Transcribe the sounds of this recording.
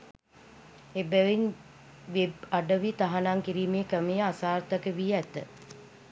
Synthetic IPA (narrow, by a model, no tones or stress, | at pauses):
ebæʋin | ʋebaɖəʋit̪aɦanaŋkiɾiːmeːkəmejəasaːrt̪əkəʋijæt̪ə